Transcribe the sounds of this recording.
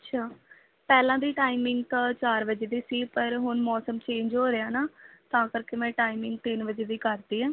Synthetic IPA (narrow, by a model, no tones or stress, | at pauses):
ətːʃʰaː | pɛːlãːd̪iːʈaːɪmɪŋɡt̪at͡ʃaːɾʋəd͡ʒeːd̪iːsiːpəɾɦʊnmɔːsəmt͡ʃẽːɲd͡ʒɦoːɾeãːnaːt̪ãːkəɾkeːmɛ̃ːʈaːɪmɪ̃ŋɡ̚t̪ɪnʋəd͡ʒeːd̪iːkəɾd̪iːɦɛ̃ː